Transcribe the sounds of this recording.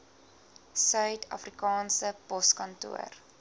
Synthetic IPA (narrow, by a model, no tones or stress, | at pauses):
sœɥtʰɐ̰frikɑːnsəpɔskɐntṵə̰r